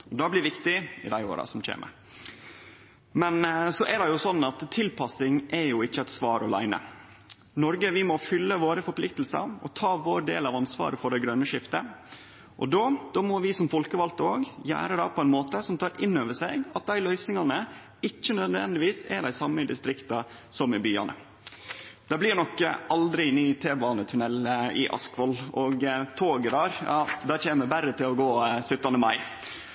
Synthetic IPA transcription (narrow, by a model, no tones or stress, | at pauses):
ɔd̪ɑblɪɾʋɪkt̪ɪɪ̰d̪æɪo̰ːɾɑ̰sɔmc͡çḛːmʔə̰ɾ | mɛnsɔʔɛɖɑjʊsɔnːɑt̪tʰːɪlpʰɑsɪŋʔɛjʊɪçːəɛt̪sʋɑːɾʔɔlæ̰ɪnə̰ | nɔɾɡəʋɪmɔfʏlːəʋoːɾəfɔɾpʰlɪk̚t̪l̩sɑ̰ɾɔt̪ʰɑːʋoːɾɖ̪ḛːlɑʋɑnsʋɑ̰ːɾəfɔɖɛɡɾœnːəʂɪft̪ə | ʔɔd̪oːd̪̥oːmɔʋɪsɔmfɔlkəʋɑlt̪oːɡjæ̰ːɾəd̪ɑːpʰɔɛɪnmoːt̪əsɔmt̪ʰɑːɾɪnːøːʋəʂɛɡɑt̪̚d̪æɪlœʏsɪŋɑnə | ɪçːənœd̪ʋɛ̰nd̪ɪʋiːsɛ̰d̪æɪsɑmːəɪd̪ɪst̪ɾɪkt̪ɑ | sɔmɪbyːɑ̰nʔə̰ | d̪̥æblɪɾnɔkːə̰ʔɑld̪ɾɪnyːt̪ʰeːbɑːnət̪ʰʉnɛlɪ̰ʔɑ̰skʋɔlɔɡt̪ʰoːɡəɾɑɾjɑːd̪ɑːt͡ʃeːnəbæɾət̪ʰɪlɔɡoːsʉt̪ːɑnd̪əmɑɪ